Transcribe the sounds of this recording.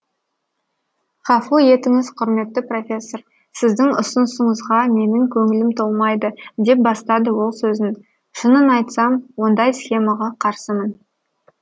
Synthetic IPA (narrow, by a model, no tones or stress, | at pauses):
χɑfuje̞t̪ɪŋɪzqʰʊɾme̞t̪ːɪpro̞fʲe̞sːo̞ɾ | sɪzd̪ɪŋʊ̰sʊnsəɴəzʁɑme̞nɪŋkʲʰɵŋɪlɪmt̪ʰo̞lˠmɑjd̪əd̪e̞p̚bɑst̪ɑd̪əwo̞lˠsɵzɪn | ʃənənɑjt̪sɑmwo̞nd̪ɑjsχʲe̞mɑʁɑqʰɑɾsəmən